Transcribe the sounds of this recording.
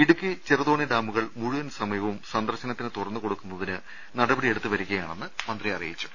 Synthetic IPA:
iɽukːɨt͡ɕirɐðoːɳiɖaːmuɣɐɭmuɻuʋɐnsɐmɐjɐʋumsɐnd̪ɐrɕɐnɐt̪ːinɨt̪urɐnːɨko̞ɽukːunːɐðinɨ | nɐɽɐbɐɽieɽut̪ːɨʋɐɾuɣːɐjaːɳe̞nːɨmɐnd̪riɐrḭjit͡ɕːu̥

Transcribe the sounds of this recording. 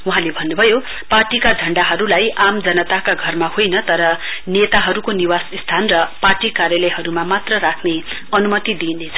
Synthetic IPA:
wuɦãlebʱʌnːubʱʌjo | parʈikad͡zʱʌɳɖaɦʌɾulajʔamd͡zʌnʌt̪akaɡʱʌrmahojnʌt̪ʌɾʌnet̪aɦʌɾukoniwasist̪ʰanrʌparʈikaɾjʌlʌjɦʌɾumamat̪rʌrakʰne | ʌnumʌt̪id̪inet͡sʰʌ

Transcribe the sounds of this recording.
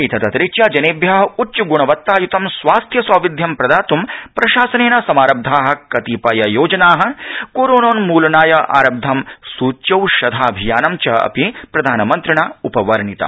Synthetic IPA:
it̪ʰɐt̪ɐt̪ɾit͡ʃjaːd͡ʒɐneːbjaːɦɐutːt͡ʃuɡuɳɐʋɐt̪ːaːjut̪ɐmsʋaːst̪ʰjɐsɐːʋid̪ʱjɐmpɾɐd̪aːt̪umpɾɐʃaːsɐneːnɐsɐmaːɾɐb̚d̪ʱaːɦɐ̆kɐt̪iːpɐjɐjoːd͡ʒɐnaːɦɐ̆koːɾoːnoːnmuːlɐnaːjɐʔa̰ːɾɐb̚d̪ʱɐmsuːt͡ʃɐwʃɐd̪ʱaːɐbʱijaːnɐmt͡ʃɐɐ̰pipɾɐd̪ʱaːnɐmɐnt̪ɾiɳaːupɐʋɐɾɐɳit̪ɐ̰

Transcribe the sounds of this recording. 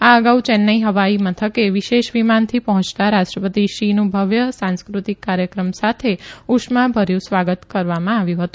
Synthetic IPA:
aəɡaut͡ʃɛnːəiɦəʋaimət̪ʰəkeʋiʃeʃʋimant̪ʰipəɦɔ̃t͡ʃt̪aɾaʃʈɾəpət̪iʃinũbʱəʋjəsãnskɾut̪ikːaɾjəkɾəmsat̪ʰeuʃmabʱəɾjũsʋaɡət̪kəɾʋamãaʋjũɦət̪ũ

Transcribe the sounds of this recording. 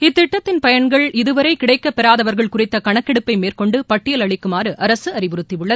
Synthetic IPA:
ɪt̪ːɪʈːɐt̪ːɪnpɐjɐɳɡɐɭɪðɯʋɐɾɐɪkɪɽɐɪkːɐpːɛɾaːðɐʋɐɾɣɐɭkʊrɪt̪ːɐkɐɳɐkːɛɽɯpːɐɪmeːrkɔɳɖɯpɐʈːɪjɐlɐɭɪkːɯmaːrɯʔɐɾɐsɯɐrɪʋʊɾɯt̪ːiʋɯɭːɐðɯ

